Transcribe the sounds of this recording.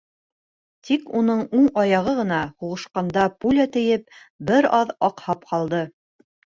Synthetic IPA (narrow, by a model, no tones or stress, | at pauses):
t̪ʰikunɤɴuɴɑjɑʁɤʁɤ̆nɑhuʁɤ̆ʃqɑnd̪ɑpulʲæt̪ɘ̆jɘp̚ | bɘɾɑðɑqhɑp̚qɑlˠd̪ɤ